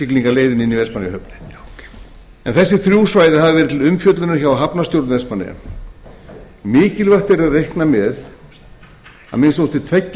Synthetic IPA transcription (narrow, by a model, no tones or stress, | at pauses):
ikliŋkaleːjðɪninːivɛspanɪjhɦœpnɪ̥ | ɛ̰nθɛsːɪθɾjuːsvaːjðɪhaðavɛːɾɪt̪ʰɪlʏmcœt̪lʏnʏɾçaːwaɦapnasjowɾt̪vɛspanɪ̰ja̰ | mɪːcɪlvaxt̪ɛɾɪaðrejhknamɛð | a̰ðmɛnsowst̪ɪt̪ʰvɛcː